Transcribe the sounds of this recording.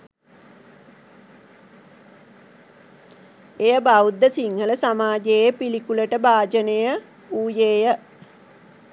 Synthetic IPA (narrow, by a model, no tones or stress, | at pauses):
ejəbaud̪ːəsiŋhələsamaːd͡ʒeːpilikuləʈəbaːd͡ʒənejə | uːjeːjə